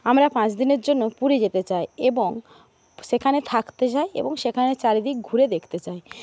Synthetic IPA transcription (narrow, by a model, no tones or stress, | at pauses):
amɾapãt͡ɕd̪ineɾd͡ʑonːopuɾed͡ʑet̪et͡ɕajeboŋ | ʃekʰanet̪ʰakt̪et͡ɕajḛboŋʃekʰanet͡ɕaɾid̪ik̚ɡʱuɾed̪ekʰt̪et͡ɕaj